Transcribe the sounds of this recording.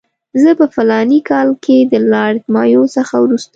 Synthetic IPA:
zəpəfalɑnikɑlkʰed̪əlɑɽdmɑjosəxawɾust̪

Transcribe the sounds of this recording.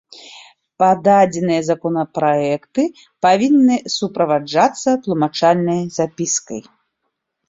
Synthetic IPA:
pad̪ad͡zʲɛnɨjɐzakɔnɐpɾajɛkt̪ɨ | pavʲinːɨsupɾɐvad͡ʐat̪sːɐt̪lˠumat͡ʂalʲnɐjzapʲiskɐj

